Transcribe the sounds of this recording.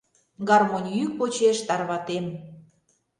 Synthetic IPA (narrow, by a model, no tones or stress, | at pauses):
ɡɑrmonʲjyk̚pot͡ɕeʃt̪ɑrβɑt̪em